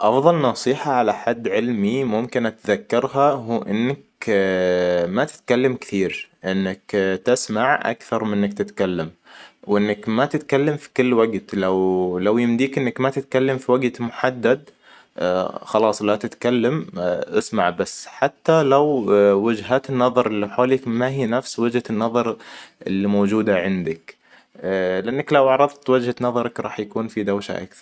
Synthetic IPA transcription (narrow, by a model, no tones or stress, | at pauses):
ʔɑfðˤɑlnɑsˤiːħaʕalaħad̪ːʕɪlmimʊmkɪnʔat̪ðakːɪɾˤɦaɦuːʔɪnːak | mat̪ɪ̥t̪kalːamktθiːɾʔɪnːɪkt̪ɪsmaʕʔa̰kθɑɾˤmɪnːakt̪ɪt̪kalːamwʔɪnːakmat̪ɪt̪kalːamfi̥kʊlːwaɡt̪lawlawjɪmd̪iːkʔɪnːɪkmat̪ɪt̪̚kalːamfiwaɡt̪mʊħad̪ːad̪ | xɑlɑːsˤlat̪ɪt̪kalːamʔɪsmaʕbasːħat̪ːalawwɪd͡ʒɦaːt̪ɪnːɑðˤɑɾˤɪlːiħoːlikmaɦiːnafswɪd͡ʒhaɪnːɑðˤɑɾˤʔɪ̰lːimowːd͡ʒuːd̪aʕɪnd̪ɪk | lɪʔanːaklawɑʕɾˤɑðt̪wɪd͡ʒhanɑðˤɑɾˤɑkɾˤɑ̰ːħjakuːnfid̪awʃa̰ʔa̰kθɑɾˤ